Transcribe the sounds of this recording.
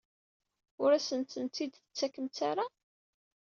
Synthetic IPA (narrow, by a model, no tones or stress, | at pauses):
ʊɾæsənt̪ənt̪id̪θət͡sːækəmt͡saɾa